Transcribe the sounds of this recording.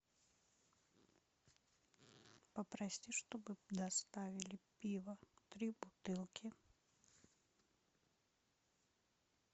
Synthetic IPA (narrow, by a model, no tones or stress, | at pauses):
pəpɾɐsʲiʂt̪obɨd̪ɐst̪avʲɪlʲɪpʲivət̪ɾʲibʊt̪ɨlˠkʲʰɪ